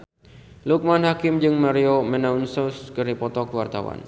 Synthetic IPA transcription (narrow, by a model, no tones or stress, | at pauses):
luk̚manhakɪmd͡ʒɨŋmaɾiomɛnaunsɔskɨɾipɔt̪ɔkwart̪a̰wa̰n